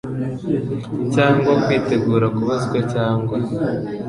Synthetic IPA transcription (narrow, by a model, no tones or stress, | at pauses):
caːŋɡwakwiːte̞ɡuːɾakuβazɡwecaːŋɡwa